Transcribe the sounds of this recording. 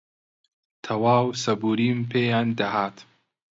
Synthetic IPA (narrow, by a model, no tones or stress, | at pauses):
t̪ʰɐwaːwsɐbuːɾiːmpʰeːjaːnd̪ɐhaːt̪